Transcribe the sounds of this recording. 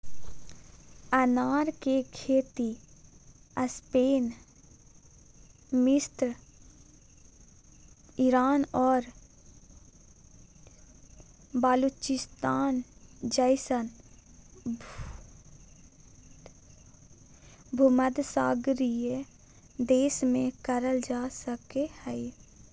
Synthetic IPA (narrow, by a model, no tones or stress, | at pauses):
ənaːɾkekʰeːt̪i | əspeːn | mɪst̪ɾ | iɾaːnɔːɾ | balut͡ʃɪst̪aːnd͡ʒəɪsən | bʱʊməd̪saːɡɾije | d̪eːsmẽkəɾəld͡ʒaːsəkehɛi